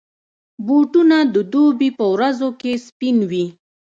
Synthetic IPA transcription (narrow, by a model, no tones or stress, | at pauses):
boʈunad̪əd̪obipəwɾazokespinwi